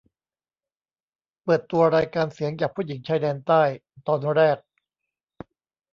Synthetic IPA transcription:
pɤː˨˩t̪ːu˧ɐɾaː˧jkaː˧nsi˩˦əŋt͡ɕaː˨˩pʰu˥˩ji˩˦ŋt͡ɕʰaː˧jdɛː˧nt̪aː˥˩j | t̪ɔː˧nɾɛː˥˩k̚

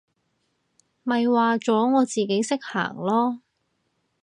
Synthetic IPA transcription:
mɐ˨jwaː˨˧t͡sɔː˨˥ŋɔː˨˧t͡siː˨ke˨˥jsɪ˥k̚ha̰ː˨˩ŋlɔː˥

